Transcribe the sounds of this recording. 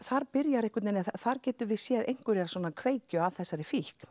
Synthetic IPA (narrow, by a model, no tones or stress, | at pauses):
θaɾpɪɾjaɾɪhkʏt̪nɛnːɪθaɾ̥cɛːt̪ʏvɪðsjɛːðejŋ̥kʏɾjɛɾsɔnakʰveːjcʏaðθɛsːaɾɪfihk